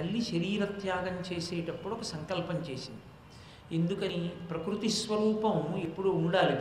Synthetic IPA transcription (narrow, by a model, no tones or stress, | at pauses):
ɐlːiʃɐɾiːɾɐt̪jaːɡɐmt͡ʃeːsɛːʈɐpːuɽɔkɐsɐŋkɐlpɐɲt͡ʃeːsind̪i | e̞nd̪ukɐnipɾɐkɾut̪isʋɐɾuːpɐmepːuɽuuɳɖaːli